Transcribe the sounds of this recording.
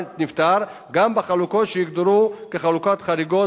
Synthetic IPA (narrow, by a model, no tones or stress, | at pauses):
nt̪nift̪ʰaɾ | ɡambaχalukɔʃikd̪uɾukiχalukat̪χaɾiɡɔ